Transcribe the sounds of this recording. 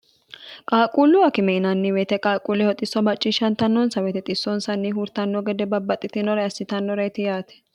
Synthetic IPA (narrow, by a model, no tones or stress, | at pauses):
kʼaːkʼulːʊɐkɪmɛɪnɐnːɪwɛːt̪ɛkʼaːkʼulːɛhɔt̪ʼːɪsːɔmɐt͡ʃʼːɪʃɐnt̪ɐnːɔnsɐwɛt̪ɛt̪ʼɪsːɔnsɐnːɪɦuːɾt̪ɐnːɔɡɛd̪ɛbɐbːɐt̪ʼːɪt̪ɪnɔɾɐjɐsːɪt̪ɐnːɔɾɐɪt̪ɪjaːt̪ɛ̥